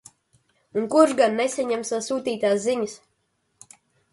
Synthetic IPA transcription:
unkuɾʒɡanːesaɲamsasuːt̪iːt̪aːsziɲɨs

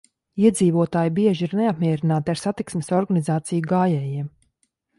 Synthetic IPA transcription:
iɛd̪ziːvuɔt̪aːjbiɛʒiɾneapmiɛɾinaːt̪iaɾsat̪iksmʲesɔɾɡanizaːt̪sijuɡaːjɛːjiɛm

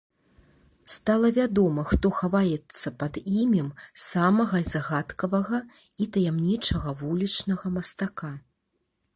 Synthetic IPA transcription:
st̪alˠɐvʲad̪ɔmɐxt̪ɔxavajɛt̪sːɐpɐd̪imʲimsamɐɣɐzaɣat̪kɐvɐɣɐ | it̪ɐjamnʲit͡ʂɐɣɐvulʲit͡ʂnɐɣɐmɐst̪aka

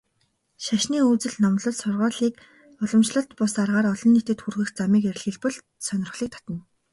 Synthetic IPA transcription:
ʃaʃniːut͡sɘ̆ɮnɔmɮɞ̆ɮsʊrʁʊːɮiːk | ɔɮɞ̆mʃ̆ɮə̆ɬt̪pʊsarʁaːɾɔɮɞ̆nːet̪ɘ̆t̪xurxɘ̆xt͡samiːkeɾ̆ʲɮxĕɮpɘ̆ɮ | sœnʲɪ̆rχɮiːk̚t̪ʰḁt̪ə̆n

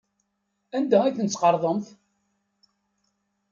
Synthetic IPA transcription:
ænd̪ææθənt͡sːqɑɾˤðˤəmθ

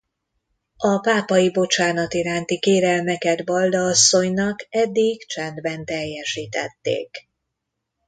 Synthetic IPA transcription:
ɒpaːpɒjibo̞t͡ʃaːnɒt̪iɾaːnt̪ikeːɾɛlmɛkɛd̪bɒld̪ɒːsːo̞ɲnɒkɛd̪ːiɡt͡ʃɛnd̪bɛnt̪ɛjːɛʃiːt̪ɛ̰t̪ːḛːk

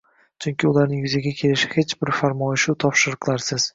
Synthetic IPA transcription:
t͡ʃʰʊŋkʲʰɪʊlaɾnɪŋjʊzaɡʲakʲʰe̞lɪʃɪ̥he̞t͡ʃbɪɾfaɾmɒjɪʃut̪ʰɒpʃɪɾqʰlˠaɾsɪz̥

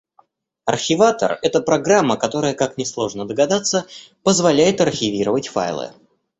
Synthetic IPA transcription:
ɐ̰rxʲɪvat̪ə̰rɛt̪əpɾɐɡɾamːəkɐt̪o̞ɾəjəkaknʲɪslˠo̞ʐnəd̪əɡɐd̪at̪sə | pəzvɐlʲæjɪt̪ɐrxʲɪvʲiɾəvətʲfa̰jlˠɨ̰

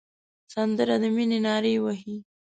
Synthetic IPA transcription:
sand̪əɾad̪əminenɑɾejwaɦi

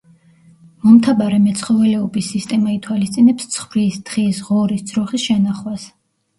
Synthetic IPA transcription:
mɔmt̪ʰabaɾɛmɛt̪sʰχɔvɛlɛɔbisːist̪ʼɛmait̪ʰwalist̪sʼinɛpst̪sʰχvɾisd̪̥ʁisʁɔɾisd̪z̥ɾɔχisʃɛnaχwas

